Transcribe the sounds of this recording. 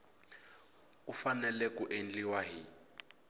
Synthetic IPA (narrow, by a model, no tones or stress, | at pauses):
kufanɛlɛkuʔend͡ɮiwaɦi